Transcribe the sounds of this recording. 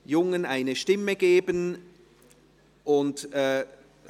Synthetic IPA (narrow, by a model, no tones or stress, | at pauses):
jʊŋənaɪnəʃtɪməɡ̥eːbən | ʔʊntɛ